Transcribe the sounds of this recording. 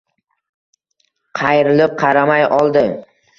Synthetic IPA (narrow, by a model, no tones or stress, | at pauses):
qʰɑjɾɪlɪp̚qʰɑɾamajɒlˠd̪ɪ